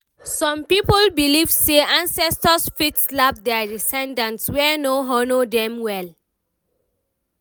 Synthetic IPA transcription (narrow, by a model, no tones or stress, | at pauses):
sɔ̃mpipolbilivseãnsɛstɔsfitslab̚dɛadisɛ̃ndãntswɛnoɦɔnodɛ̃mwɛl